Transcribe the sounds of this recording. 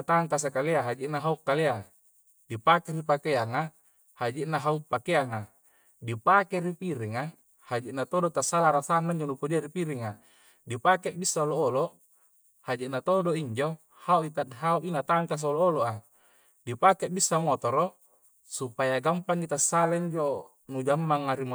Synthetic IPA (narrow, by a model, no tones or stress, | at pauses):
t̪aŋkas̬akaleaɦad͡ʒiʔnaɦaukːalea | dipakeɾipakeaŋa | had͡ʒiʔnaɦaupakeaŋa | dipakeɾipiɾiŋa | had͡ʒiʔnat̪odot̪asːalaɾasanːaiɲd͡ʒonupodiaɾipiɾiŋa | dipakeʔbisːaoloːlo | had͡ʒiʔnat̪odoiɲd͡ʒo | hauit̪adɦauʔinat̪aŋkas̬olooloʔa | dipakeʔbisːamot̪oɾo | supajaɡampaŋit̪asːalaiɲd͡ʒo | nud͡ʒamːaŋaɾim